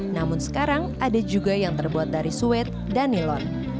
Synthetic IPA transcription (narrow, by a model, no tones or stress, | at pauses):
namʊnsə̥kaɾaŋʔadad͡ʒuɡajaŋt̪ərbuat̪̚daɾisuɛt̪̚danilɔn